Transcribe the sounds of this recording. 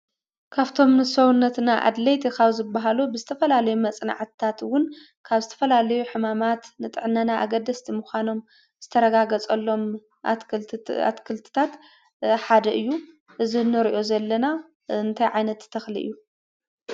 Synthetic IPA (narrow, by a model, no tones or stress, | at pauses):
kʰaβt̪ʰo̞mnɨsowunːɐt̪naʔa̰d̪lɐjt̪ʰekaβzɨbːaɦalubɨzɨt̪ʰɐfɐlalɐjumɐt͡sʼna̰ʕt̪t̪ʰat̪wʊn | kʰaβzɨt̪ʰɐ̥fɐlalɐjuħɨmamat̪nɨt̪ʼɨʕɨnːanaʔa̰ɡɐd̪ɐst̪ʰimuxʷano̞m | z̥ɨt̪ʰɐɾɐɡaɡɐt͡sʼɐlːo̞m | a̰t̪kʰɨlt̪ʰɨ̥t̪ʰat̪ | ħad̪ɐʔɨjːu | ʔɨzinːɨɾiʔo̞zɐlːɐna | ɨnt̪ʰajʕajnɐt̪ːt̪ʰːɐxlḭʔɨ̰jːu